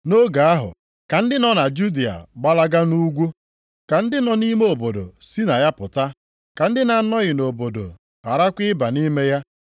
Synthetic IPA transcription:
no˦ɡa˨a˦ɦʊ̰˨ | ka˨n̩˦dɪ˦nɔ˦na˨d͡ʒu˦di˨a̰˨ɡ͡ba˦la˦ɡa˦nu˦ɡʷu˦ | ka˨n̩˦dɪ˦nɔ˨˦ni˦me˦o˨bo˨do̰˨si˦na˨ja˦pʊ˨ta˦ | ka˨n̩˦dɪ˦na˨˦nɔ˦ɣɪ˨no˨bo˨do̰˨ | a˨ɾa˦kʷɪ˦ba˨ni˦me˦ja˦

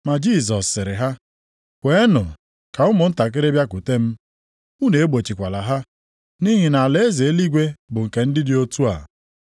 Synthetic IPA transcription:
ma˨d͡ʒi˦˨z̬ɔ˨sːɪ˨ɾɪ˨ɦa˦ | kʷe˦nʊ˨ | ka˨ʊ˦mʊ˨n̩˦ta˨k̬ɪ˦ɾɪ˦bja˦ku˨te˦m̩˦ | u˦ne˨e˦ɡ͡bo˨t͡ʃi˨kʷa˨la˨ɦa˦ | ni˦ɦɪ˨na˨le˦e˦ze˨e˦li˦ɡʷe˦bʊ˨ŋ̩˨ke˨n̩˦dɪ˦dɪ˦o˦tu˦a̰˨

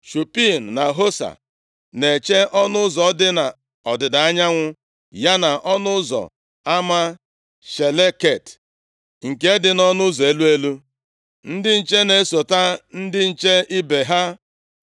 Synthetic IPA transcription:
ʃu˨pi˦˨n˨na˨ɦo˦sa̰˨ | ne˨t͡ʃe˦ʔɔ˦nʊ˦ʊ˦zɔ˨˦dɪ˦na˨ | ɔ˨dɪ˨da˨a˦ɲa˦ŋʷʊ˦ | ja˦na˨ʔɔ˦nʊ˦zɔ̰˨ | a˦ma˦ | ʃe˨le˦ke˦˨t | ŋ̩˨ke˦dɪ˨nɔ˦nʊ˦zɔ˨e˦lu˦e˦lu˦ | n̩˦dɪ˦n̩˨t͡ʃe˦ne˨˦so˨ta˦n̩˦dɪ˦n̩˨t͡ʃe˦i˦be˨ɦa˦

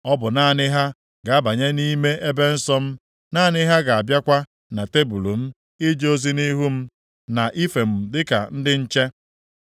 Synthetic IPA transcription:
ɔ˦bʊ˨na˦˨nɪ˦ɦa˦ | ɡa˨a˦ba˨ɲe˦ni˦me˦ʔe˦be˦n̩˦sɔ˦m̩˦ | naː˦˨nɪ˦ɦa˦ɡa˨a˨bja˦kʷa˦ | na˨te˦bu˨lu˨m̩˦ | ɪ˦d͡ʒo˦zi˦ni˦ɦu˦m̩˦ | na˨ʔi˦fe˨m̩˨dɪ˦ka̰˨n̩˦dɪ˦n̩˦t͡ʃe˦

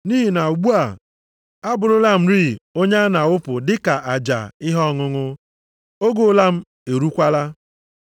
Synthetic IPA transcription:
ni˦ɦi˨na˨u˨ɡ͡bu˦a˨ | a˦bʊ˨ɾʊ˦la˦m̩˦ɾi˦˨o˦ɲe˦a˦na˨ʊ˦pʊ˨dɪ˦ka˨ʔa˨d͡ʒa̰˨ɪ˦ɦɔ˦ŋʊ˦ŋʊ˦ | o˦ɡo˨˦la˦m̩˦ | e˨ɾu˦kʷa˦la˦

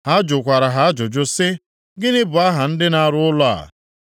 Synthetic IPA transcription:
ha˦a˦d͡ʒʊ˨kʷa˨ɾa˨ɦa˨˦a˦d͡ʒʊ˨d͡ʒʊ˦sɪ˦ | ɡɪ˦nɪ˦bʊ˨a˦ɦa˨n̩˦dɪ˦na˦ɾʊ˦ʊ˦lɔ˦a̰˨

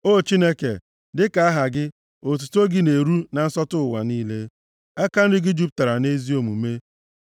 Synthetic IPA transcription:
o˦˨t͡ʃi˦ne˦kḛ˨ | dɪ˦ka˨a˦ɦa˨ɡɪ˦ | o˨t̬u˨to˦ɡɪ˦ne˨ɾu˦na˨n̩˦sɔ˦tʊ˦˨wa̰˨niː˦le˦ | a˦ka˦n̩˦dɪ˦ɡɪ˦d͡ʒu˦p̬̚ta˨ɾa˨ne˦zi˦o˨mu˨me˦

